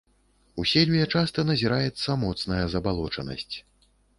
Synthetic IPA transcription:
usʲelʲijɐt͡ʂast̪ɐnɐzʲiɾajɛt̪sːɐmɔt̪snɐjɐzɐbalˠɔt͡ʂɐnɐ̰sʲt͡sʲ

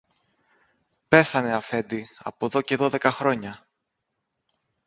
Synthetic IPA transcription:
pe̞θɐne̞ɐfe̞nd̪iɐ̰po̞ðo̞ce̞ðo̞ðe̞kɐxɾo̞ɲɐ

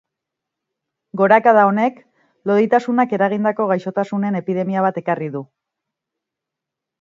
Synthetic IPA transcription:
ɡo̞ɾakaðao̞ne̞k | lo̞ðit̪asunake̞ɾaɣ̞ind̪ako̞ɣajʃo̞t̪asune̞ne̞piðe̞miaβ̞at̪e̞kariðu

